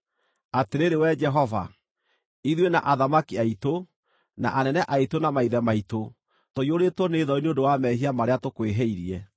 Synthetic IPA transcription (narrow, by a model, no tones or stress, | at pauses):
ateɾeɾewɛd͡ʒɛɦɔva̰ | iðwena̰ʔaðamakiaito | na̰ʔanɛnɛʔaitonamaiðɛmaito | toioɾetɔneːðɔineondowamɛɦiamaɾeatokweɦɛiɾiɛ